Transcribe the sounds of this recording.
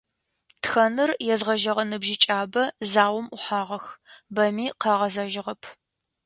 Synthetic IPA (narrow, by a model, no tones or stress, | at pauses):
txɐnɨrjɛzʁɐʒɐʁɐnɨbʒit͡ʃʼaːbɐzaːwɐmʔʊħaːʁɐxbɐmiːqɑːʁɐzɐʒɪʁɐpʰ